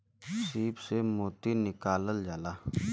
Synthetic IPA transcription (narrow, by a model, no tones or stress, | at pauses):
siːbsemoːt̪inɪkaːləld͡ʒaːlaː